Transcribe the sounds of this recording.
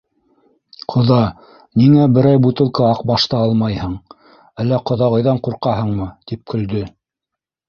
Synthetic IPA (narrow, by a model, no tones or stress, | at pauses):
qʰŏðɑ | niŋæbɘ̆ɾæjbut̪ɤ̆lˠkɑɑqbɑʃt̪ɑɑlˠmɑjhɤɴ | ælːæqŏðɑʁɤ̆jðɑɴquɾqɑɦɤɴmɤt̪ip̚kʰɵ̆ld̪ɵ